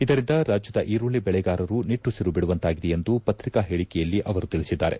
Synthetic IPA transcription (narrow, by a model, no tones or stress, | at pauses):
id̪ɐɾind̪ɐɾaːd͡ʒjɐd̪ɐʔiːɾuɭibɛɭɛɡaːɾɐɾuniʈːusiɾubiɽuʋɐnt̪aːɡid̪ɛjend̪upɐt̪ɾikaɦeːɭikɛjɐlːiʔɐʋɐɾut̪iɭisid̪ːaːɾe